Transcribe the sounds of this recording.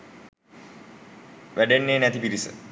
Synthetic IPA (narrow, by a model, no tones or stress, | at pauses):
ʋʔæɖenːeːnæt̪ipiɾisə̰